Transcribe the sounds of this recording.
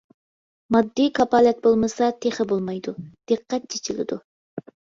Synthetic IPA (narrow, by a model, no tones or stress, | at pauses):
mɑd̪ːikʰɑpɑːlɛt̪̚bolˠmɨsɑt̪ʰeχɪbolˠmɑjd̪ud̪̥ɨqːɛt̪̚t͡ʃʰet͡ʃʰilɪ̰d̪u